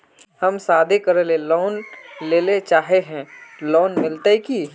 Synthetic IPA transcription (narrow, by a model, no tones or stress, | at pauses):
həmsaːd̪ʱekəɾelelɔːnleːlet͡ʃaːɦeɦɛ̃ːlɔːnmɪlt̪eɦki